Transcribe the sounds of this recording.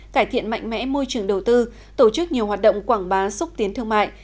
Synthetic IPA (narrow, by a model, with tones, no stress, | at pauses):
kaː˧˩jt̪ʰḭ˧˨ənma̰˧˨jŋ̟mɛ̰˧˥mo˧jt͡ɕɨ˨˩əŋɗə˨˩wt̪ɨ˧ | t̪o˧˩t͡ɕɨ˦˥k̚ɲi˨˩əwhɦaː˨˩t̚ɗə̰˧˨wŋ͡mkwaː˧˩ŋɓaː˨˦sʊ˦˥k͡p̚t̪i˨˦ənt̪ʰɨ˧əŋma̰ː˧˨jʔ